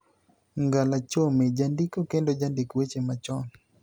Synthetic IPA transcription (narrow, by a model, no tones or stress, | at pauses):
ŋɡalat͡ʃomed͡ʒandikokendod͡ʒandikwet͡ʃemat͡ʃɔn